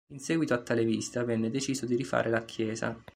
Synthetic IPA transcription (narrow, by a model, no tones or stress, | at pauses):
insɛːɡwit̪oat̪ːaleviːsi̥t̪avɛnːed̪et͡ʃiːzod̪iɾifa̰ːɾʔelakʰjɛːza̰